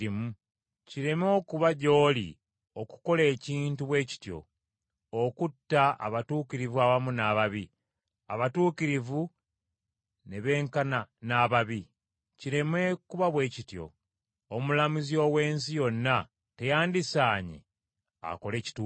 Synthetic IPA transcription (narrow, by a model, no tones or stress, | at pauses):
imu | ciɾe̞mo̞ːkuβaɟo̞ːlḭ | oku̥ko̞le̞ːciːntuβwe̞ːci̥tjo̞̰ | okutːaa̰βatuːkiɾivuaβamunaːβaβi | aβatuːkiɾivu | ne̞βe̞ːŋkananaːβaβi | ciɾe̞mwe̞kuβaβwe̞ːcitjo̞̰ | omulamuzio̞ːwe̞ːnsijo̞nːa | te̞jaːndisaːɲḛ | a̰ko̞leːci̥tu